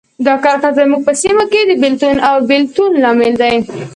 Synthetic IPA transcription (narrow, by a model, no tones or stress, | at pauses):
d̪ɑkɑɾxazmuɡ̚pəsimaked̪əbɪlt̪unawbɪlt̪unlɑmɪld̪aj